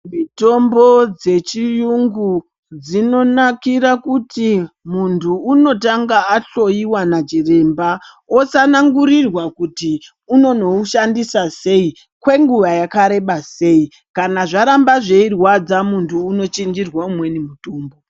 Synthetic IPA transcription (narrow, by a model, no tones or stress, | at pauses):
mito̞mbo̞d͡ze̞t͡ʃijuŋɡu | d͡zino̞nakiɾakutimuntʰuːno̞taŋɡaːɬo̞iwanad͡ʒire̞mba | o̞sanaŋɡuɾirwakuti | uno̞no̞uʃandisase̞i | kwe̞ŋɡuʋajakaɾe̞ɓase̞i | kanaʐaɾambaʐe̞irwad͡zamuntʰuːno̞t͡ʃind͡ʒirwaumwe̞nimutoːmbo̞